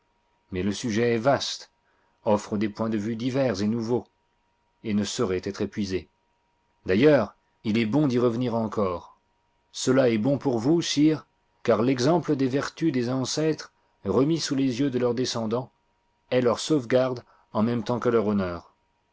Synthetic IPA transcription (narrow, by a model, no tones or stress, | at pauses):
mɛləsyʒɛːvast̪ | ɔfχəd̪epwɛ̃d̪əvyd̪ivɛʁzenuvo | enəsɔʁɛt̪ɛt̪χepɥize | d̪ajœʁ | ilɛbɔ̃d̪iʁəvəniʁɑ̃kʰɔːʁ | səlaɛbɔ̃puʁvusiːʁ | kaʁlɛɡzɑ̃pləd̪evɛʁt̪yd̪ezɑ̃sɛt̪χ | ʁəmisulezjød̪əlœʁd̪esɑ̃d̪ɑ̃ | ɛlœʁsovɡaʁd̪ | ɑ̃mɛmt̪ɑ̃kəlœʁɔnœːʁ